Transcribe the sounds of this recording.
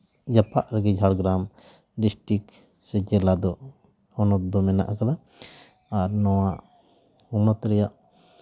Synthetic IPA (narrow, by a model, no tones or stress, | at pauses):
d͡ʒapʰaʔɾɛɡɛd͡ʒʱaɽɡɾam | ɖisʈik | sɛd͡ʒɛlad̪ɔ | hɔnɔt̪̚d̪ɔmɛna̰ʔakad̪a | aɾnɔwaʔ | hunɔt̪ɾɛjaʔ